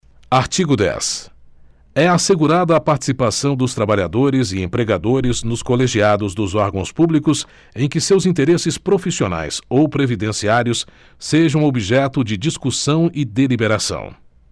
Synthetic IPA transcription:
aɾt͡ʃiɡʊd̪ɛ̰s | ɛaseɡuɾad̪ɐːpaɾt͡ʃi̥sipasɐ̃w̃d̪ʊst̪ɾabaʎad̪oɾɪzɪẽmpɾeɡad̪oɾɪznʊskoleʒiad̪ʊzd̪ʊzɔɾɡɐ̃w̃spublikʊs | ẽj̃kɪsewzĩnt̪eɾesɪspɾofisiona̰jsowpɾevid̪ẽsiaɾjʊsː | eʒɐ̃w̃obiʒɛt̪ʊd͡ʒɪd͡ʒiskusɐ̃w̃ɪd̪elibeɾasɐ̰̃w̃

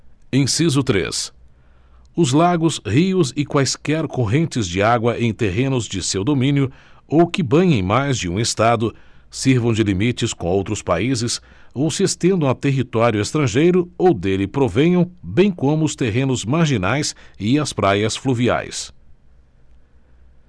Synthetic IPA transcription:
ẽj̃sizʊt̪ɾḛs | ʊzlaɡʊshiʊzɪkwajskɛɾkoɦẽnt͡ʃɪzd͡ʒɪaɡwɐʔẽj̃t̪eɦẽnʊzd͡ʒɪsewd̪omĩnjʊowkɪbɐ̃jẽj̃majzd͡ʒɪũest̪ad̪ʊ | siɾvɐ̃w̃d͡ʒɪlimit͡ʃɪskõowt̪ɾʊspa̰izɪs | owsɪest̪ẽnd̪ɐ̃w̃at̪eɦit̪ɔɾjʊest̪ɾɐ̃ʒejɾʊowd̪elɪpɾovẽjɐ̃w̃bẽj̃kõmʊʊst̪eɦẽnʊzmaɾʒinajsɪɐspɾajɐsfluvia̰js

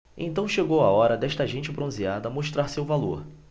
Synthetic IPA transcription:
ḛ̃nt̪ɐ̃w̃ʃeɡowaɔɾɐd̪ɛʃt̪ɐʒẽnt͡ʃɪbɾõziad̪ɐmoʃt̪ɾaɾsewvalo̰ɾ

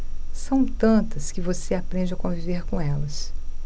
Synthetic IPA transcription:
sɐ̃w̃t̪ɐ̃nt̪ɐskɪvoseapɾẽnd͡ʒɪɐkõviveɾkõɛlɐs

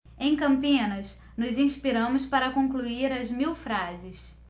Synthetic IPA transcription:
ẽj̃kɐ̃mpĩnɐs | nʊzĩspiɾɐ̃mʊspaɾɐkõŋkluiɾɐzmiwfɾazɪs

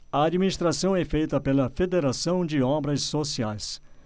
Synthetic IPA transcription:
ɐad͡ʒminist̪ɾasɐ̃w̃ɛfejt̪ɐpelɐfed̪eɾasɐ̃w̃d͡ʒɪɔ̃bɾɐsːosiajs

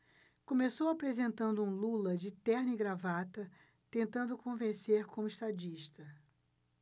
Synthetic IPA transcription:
kõmesowapɾezẽnt̪ɐ̃nd̪ʊũlulɐd͡ʒɪt̪ɛɾnɪɡɾavat̪ɐ | t̪ẽnt̪ɐ̃nd̪ʊkõvẽseɾkõmʊiʃt̪ad͡ʒiʃt̪ɐ

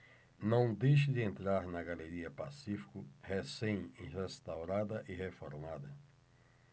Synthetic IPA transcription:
nɐ̃w̃d̪ejʃɪd̪ɪẽnt̪ɾaɾnɐɡaleɾiɐpasifi̥kʊhesẽj̃ihest̪awɾad̪ɐʔihefoɾmad̪ɐ

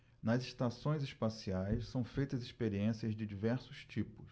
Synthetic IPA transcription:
nɐzɪʃt̪asõj̃zispasiajssɐ̃w̃fejt̪ɐzispeɾiẽsiɐzd͡ʒɪd͡ʒivɛɾsʊst͡ʃipʊs

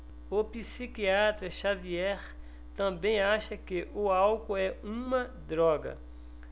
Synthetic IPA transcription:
ʊpisikiat̪ɾɐʃaviɛχ | t̪ɐ̃bẽj̃aʃɐkɪʔʊawkʊɛũmɐd̪ɾɔɡɐ̰

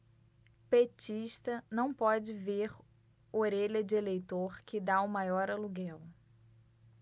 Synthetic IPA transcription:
pet͡ʃiʃt̪ɐnɐ̃w̃pɔd͡ʒɪveɾ | oɾeʎɐd͡ʒɪelejt̪oɾkɪd̪aʊmajɔɾɐluɡɛw

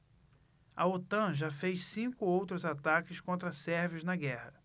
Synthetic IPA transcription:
ɐot̪ɐ̃ʒafejʃsĩkʊowt̪ɾʊzat̪akɪskõnt̪ɾɐsɛɾviʊznɐɡɛhɐ

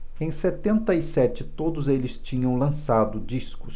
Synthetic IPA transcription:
ẽj̃set̪ẽnt̪ɐisɛt͡ʃɪt̪od̪ʊzelɪst͡ʃĩɲɐ̃w̃lɐ̃sad̪ʊd͡ʒiskʊs

